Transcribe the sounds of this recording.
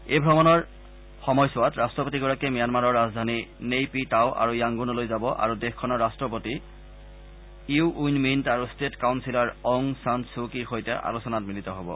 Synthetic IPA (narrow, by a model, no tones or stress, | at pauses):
ejbʱɹɔmɔnɔɹ | xɔmɔjsʊwatɹastɹɔpotiɡɔɹakɛmijanmaɹɔɹːazdʱaninejpitaʊʔa̰ɹujaŋɡunɔlojzabɔʔa̰ɹudexkʰːɔnɔɹːastɹɔpoti | iuʔujnmintaɹustetkawnsilaɹɔŋsantsukixojtɛʔa̰lusɔnatmilitɔɦobɔ̰